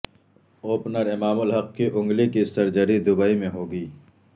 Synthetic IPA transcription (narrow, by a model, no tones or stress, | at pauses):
oːpnəɾɪmaːmʊlɦɐqkeʔʊ̃ŋɡlikisɐɾd͡ʒəɾid̪ʊbaːimẽɦoːɡiː